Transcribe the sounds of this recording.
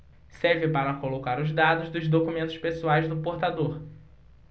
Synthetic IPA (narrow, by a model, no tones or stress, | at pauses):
sɛɾvɪpaɾɐkolokaɾʊzd̪ad̪ʊzd̪ʊzd̪okumẽnt̪ʊʃpesuajzd̪ʊpoɾt̪ad̪oɾ